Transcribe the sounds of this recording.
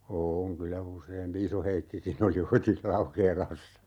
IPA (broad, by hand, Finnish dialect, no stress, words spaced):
oːŋ kylæ useːmpi isoheikːikin oli oitis lɑukeːlɑsːɑ